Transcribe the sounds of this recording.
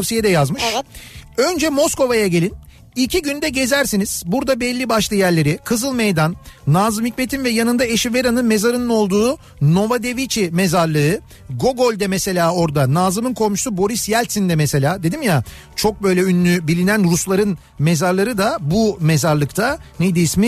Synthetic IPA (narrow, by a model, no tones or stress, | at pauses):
fsijɛd̪ɛjazmɯʃ | ø̞nd͡ʒɛmo̞sko̞vajaɟelʲin | ilʲcʰiɟynd̪ɛɟe̞zæɾsiniz̥buɾd̪abɛlʲːibaʃlˠɯjæɾlʲe̞ɾɪkʰɯzɯlˠmejd̪anːaːzɯmhicme̞t̪ʰinvɛjanɯnd̪aeʃiveɾanɯnme̞zaɾɯnɯno̞lˠd̪uː | no̞vad̪e̞vit͡ʃʰimezaɾlˠɯɯ | ɡo̞ɡo̞lʲd̪ɛmɛse̞lʲaːo̞ɾd̪anaːzɯmɯnkʰo̞lˠmuʃsubo̞ɾisjælʲt̪sind̪ɛmɛse̞lʲaːd̪e̞d̪imja | t͡ʃʰo̞k̚bø̞jlʲɛynːʲybilʲinænɾuslˠaɾɯn | me̞zaɾlˠaɾɯd̪abume̞zaɾlˠɯkt̪ʰanejd̪iismi